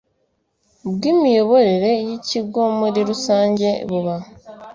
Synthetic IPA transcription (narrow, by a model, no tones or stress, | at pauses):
bɡimijo̞βo̞ɾeɾe̞jiciɡomoɾiɾusaːɲɟe̞βuβa